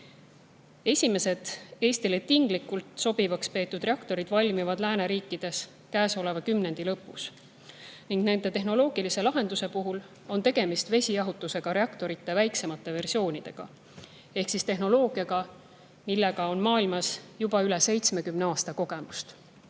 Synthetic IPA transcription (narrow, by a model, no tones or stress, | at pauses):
e̞sʲime̞se̞d̪̥e̞ːsʲt̪ile̞t̪ːˑiŋɡ̥likːˑult̪ˑso̞b̥ivɑkspe̞ːt̪ˑːud̪̥re̞ɑkt̪o̞ɾid̪̥vɑlʲmivɑd̪̥læːne̞ɾiːkːˑid̪̥e̞s | kæːso̞le̞vɑkymne̞nd̪̥ilɤpːˑus | niŋɡ̥ne̞nd̪e̞t̪e̞ɦno̞lo̞ːɡ̥ilise̞lɑɦe̞nd̪use̞puɦul | o̞nt̪e̞ɡ̥e̞mist̪ve̞sʲijɑɦut̪ːˑuse̞ɡ̥ɑɾe̞ɑkt̪o̞ɾit̪ːe̞væjkse̞mɑt̪ːˑe̞ve̞rsio̞ːnid̪̥e̞ɡ̥ɑ̰ | e̞hksist̪e̞ɦno̞lo̞ːɡ̥iɑɡ̥ɑ | milːeɡ̥ɑo̞nmɑːilmɑsjubɑylɛse̞jt̪sme̞kymneɑːst̪ɑko̞ɡ̥e̞must̪